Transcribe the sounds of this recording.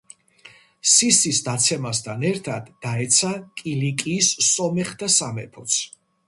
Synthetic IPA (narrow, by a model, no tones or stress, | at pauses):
sisisd̪at̪sʰɛmast̪ʰanɛɾt̪ʰad̪ːaɛt̪sʰakʼilikʼiːsːɔmɛχd̪asamɛ̰pʰɔt̪sʰ